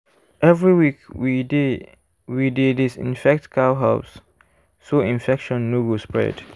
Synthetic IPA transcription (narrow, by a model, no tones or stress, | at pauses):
ʔɛvɹiwikwide | widedisḭ̃nfɛk̚tkʰawɦaʊs | soĩnfɛkʃɔ̃nːuɡospɹɛ̰d